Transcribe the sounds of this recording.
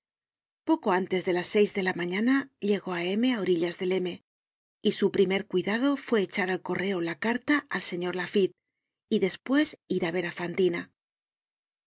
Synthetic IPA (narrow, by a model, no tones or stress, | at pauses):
po̞ko̞ant̪e̞zðe̞lasːe̞jzðe̞lamaɲanaʎe̞ɣo̞ae̞me̞ao̞ɾiʎazðe̞le̞me̞ | isupɾime̞ɾkwiðað̞o̞fwe̞ːt͡ʃaɾalko̞re̞olakaɾt̪aalse̞ɲo̞ɾlafit̪ | iðe̞spwe̞siɾaβe̞ɾafant̪ina